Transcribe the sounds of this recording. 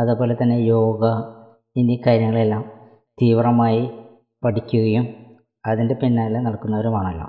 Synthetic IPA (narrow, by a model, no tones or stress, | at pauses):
ɐðupo̞ːlet̪ːɐnːe̞jo̞ːɡɐ | inːikaːɾjɐŋːɐɭe̞lːaːm | t̪iːʋrɐmaːji | pɐʈʰikʲːuɣɐjum | ɐðinde̞pinːaːlnɐɭkːunːɐʋɐɾumaːɳɐlːo̰ːm